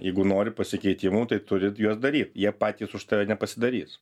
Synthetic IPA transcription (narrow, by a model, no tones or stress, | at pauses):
jɛɪɡʊnoːɾʲɪpɐsʲɪkʲɛɪt̪ʲɪmuːt̪ɐɪt̪ʊɾʲɪjuɔsd̪ɐɾʲiːt̪jiɛpɑːt̪ʲiːsʊʃt̪ɐʋʲɛnʲɛpɐsʲɪd̪ɐɾʲiːs